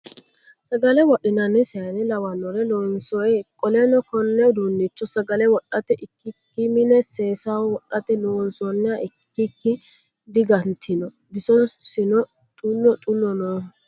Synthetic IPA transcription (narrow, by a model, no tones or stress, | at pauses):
sɐɡɐlɛwɔɗɪnɐnːɛsɛjɐnɛlɐwɐnːɔɾɛlɔnsɔɛkʼɔlɛnɔkɔnːɛʊd̪uːnːɪt͡ʃːɔsɐɡɐlɛwɔɗːɐt̪ɛʔɪkːɪkːɪmɪnɛseːsawwɔɗːɐt̪ɛnoːnsɔnːɛaʔɪkːɪkːɪ | d̪ɪɡɐnt̪ʰɪnɔ | bɪsɔsɪnɔ | t̪ʼʊnːɔt̪ʼʊnːɔnoː